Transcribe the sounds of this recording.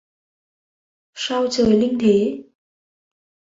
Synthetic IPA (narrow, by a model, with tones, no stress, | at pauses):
sa˧wt͡ɕəː˨˩jli˧ŋt̪ʰe˨˦